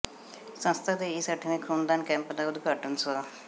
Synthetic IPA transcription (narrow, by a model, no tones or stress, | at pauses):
sə̃nst̪ʰaːd̪eːiːsəʈʰːinẽːkʰuːnd̪aːnkɛ̃ːmpd̪aːʊd̪ɡəʈənsaː